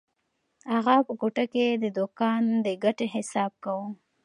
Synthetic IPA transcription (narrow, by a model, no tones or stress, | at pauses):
haɣapəkoʈaked̪əd̪okɑnd̪əɡaʈeɦɪsɑb̚kawu